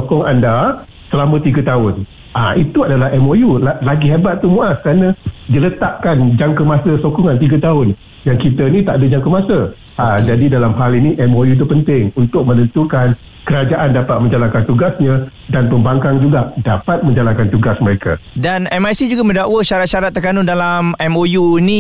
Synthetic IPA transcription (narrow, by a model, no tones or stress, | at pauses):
sokɔŋa̰nda | səlamə̃t̪iɡat̪aʊn | ʔaʔit̪uadalahɛmojulalaɡiɦebat̪̚t̪umuaskəɾanãdilət̪aʔkand͡ʒaŋkəmasəsokɔŋant̪iɡat̪aʊn | jaŋkit̪ənĩt̪aʔdəd͡ʒaŋkəmasə | ad͡ʒadidalamhalinĩʔɛmojut̪̬upənt̪ɪŋunt̪ʊk̚mə̃nənt̪ukan | kəɾad͡ʒaʔandapat̪̚mə̃ɲd͡ʒalankant̪uɡasɲã | danpəmbaŋkaŋd͡ʒuɡaʔdapat̪̚mə̃ɲd͡ʒalankant̪uɡasməɾeka̰danɛmajsid͡ʒuɡamə̃ndaʔwəʃaɾat̪̚ʃaɾat̪ːərk̪anudalamɛmojunĩ